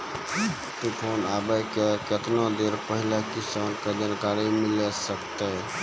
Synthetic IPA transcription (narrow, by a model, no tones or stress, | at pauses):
t̪upʰonabəkeket̪nod̪eɾpəɦilakisankəd͡ʒənkaɾimilsəkt̪ɛ